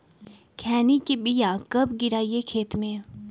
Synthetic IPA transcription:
kʰɛːnikibijãkɐbɡɪɾaːijekʰeːt̪mẽː

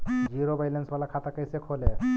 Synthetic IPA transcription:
d͡ʒiɾobʱajlensbalakʰat̪akəjsekʰole

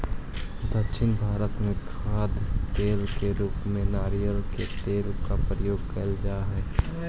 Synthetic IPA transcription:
d̪əkʃɪnbʱaːɾət̪mẽkʰaːd̪t̪eːlkeɾuːpmẽnaːɾijəlket̪eːlkapɾəjoːɡ̚kɐld͡ʒaːɦɛː

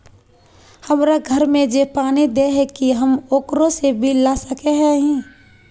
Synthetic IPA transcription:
həmɾaɡʱəɾmẽd͡ʒepaːnid̪eɦɛkiɦəmoːkɾõsebʱilasəkeɦɛ̃ɦĩ

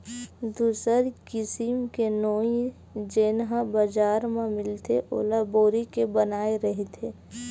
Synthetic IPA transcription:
d̪uːsəɾkɪsimkenoːĩ | d͡ʒeːnɦãbəd͡ʒaːɾmamɪlt̪ʰeʔo̰ːlaboːɾikebənaːeɾəɦet̪ʰeː

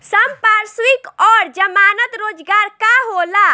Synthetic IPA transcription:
səmpaːɾswikɔːɾd͡ʒəmaːnət̪ɾoːd͡ʒɡaːɾkaɦoːla

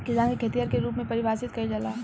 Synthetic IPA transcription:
kɪd͡ʒãːŋɡikʰet̪ijəɾkeɾuːpmẽpɐɾɪʋaːsɪt̪kɐid͡ʒɐlaː

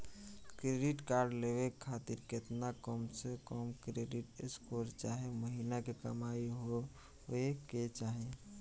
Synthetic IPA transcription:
kɾeɖiʈkaɾɖleβekʰat̪iɾket̪nakəmsekəmkɾeɖiʈḛskʰoɾt͡ʃaɦeməɦinakekə̰maiɦo | eket͡ʃaɦe

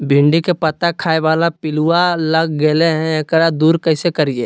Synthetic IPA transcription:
bʱɪ̃ɳɖikepɐt̪akʰaːeʋaːlapɪlualɐɡɡeːleɦɛ̃ekɽad̪uːɾkəɪsekɐɾiḛː

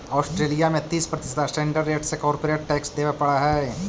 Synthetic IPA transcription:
ɔːsʈɾeːlijamẽt̪iːspɾɐt̪ɪsd̪asʈẽːɳɖəɾːeːʈsekɔːɾpoɾeːʈ̚ʈɛːksd̪eːʋepɐɽaɦɛː

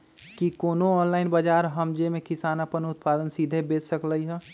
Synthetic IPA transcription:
kikoːnoɔːnlaːɪnbəd͡ʒaːɾɦəmd͡ʒemẽkɪsaːnəpənʊt̪̚paːd̪ənsid̪ʱebeːt͡ʃsəkləiɦɛ̃ː

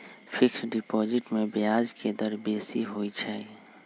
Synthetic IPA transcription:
pʰɪkʰɾɖɪpɔːd͡ʒɪʈmẽbɪjaːd͡ʒked̪əɾbeːsiɦoːit͡ʃʰɛi

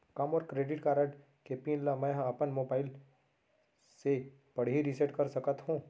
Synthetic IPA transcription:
kɐmɔːɾkɾeːɖɪʈkaːɾəʈ | kepinlamɛ̃ɦɐpənmoːbaːɪl | se | bɐɽɦiɾiseʈkɐɾsɐkət̪ɦũː

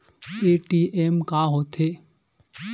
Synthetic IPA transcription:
eʈiʔemkaːɦot̪ʰe

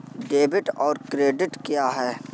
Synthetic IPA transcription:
ɖeːbɪʈɔːɾkɾeːɖɪʈkjaːɦɛː

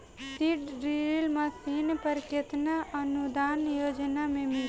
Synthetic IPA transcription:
siʈɾiɾlmasiːnpəɾket̪naʔɐnud̪aːnjoːd͡ʒnamẽmɪ

